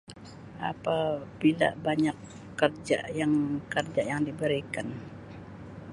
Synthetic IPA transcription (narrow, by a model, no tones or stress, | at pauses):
a̰pabila̰baɲakː | ərd͡ʒa̰jaŋkərd͡ʒajaŋdibəɾikan